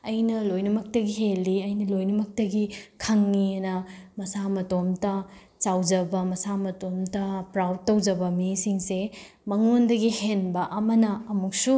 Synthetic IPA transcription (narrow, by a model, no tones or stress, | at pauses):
ɐjnɐlojnumɐk̚tɐɡiɦelːiɐjnɐlojnumɐk̚tɐɡikʰɐŋːiɐnɐmɐsamɐtomtɐ | t͡ʃawd͡ʒɐbɐmɐsamɐtomtɐpɾawd̚tːɐwd͡ʒɐbɐmisiŋse | mɐŋondɐɡihenbɐʔɐmɐnɐɐmuk̚su